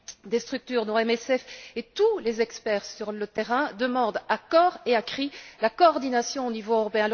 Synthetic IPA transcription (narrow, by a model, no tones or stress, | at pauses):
d̪est̪χyk̚t̪yːʁd̪ɔ̃ɛmɛsɛfet̪ulezɛkspɛːʁsyʁlət̪eʁɛ̃d̪əmɑ̃d̪akɔːʁeakχilakɔːʁd̪inasjɔ̃onivoøʁɔpeɛ̃l